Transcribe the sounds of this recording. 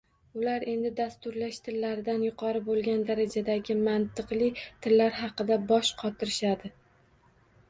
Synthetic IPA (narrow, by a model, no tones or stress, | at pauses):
ʊlaɾe̞nd̪ɪd̪ast̪ʊɾlaʃt̪ʰɪlːaɾɪd̪anjʊqʰɒɾɪbolˠɡʲand̪aɾad͡ʒad̪aɡʲɪmant̪ʰɨqlˠɪt̪ʰɪlːaɾɦɑqɨd̪abɒʃqʰɒt̪ʰɪɾɪʃad̪ɪ